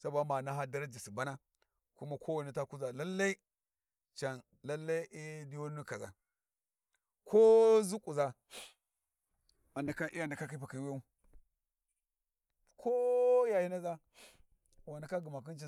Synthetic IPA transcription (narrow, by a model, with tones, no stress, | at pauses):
sa˦bo˨a˦ma˨na˦ɦa˦da˦ɾa˦d͡ʒi˨si˨ba˦na˦ | ku˦ma˦kʰo˦wa˨ni˦ta˦ku˦za˨la˦lːa˦i˦ | t͡ʃa˨n | la˦lːa˦i˦ʔi˦di˦wo˦nu˦ka˨za̰˨ | kʰo˦zu˦kʼu˨za˦ | a˨ndi˨ka˦ʔi˦ja˦˨nda˨ka˦ki˦pa˨ki˨˦we˦u˦ | kʰo˦ja˨ji˦na˦za˦ | wa˨na˨ka˦ɡu˨ma˨k̬i˦t͡ʃi˦˨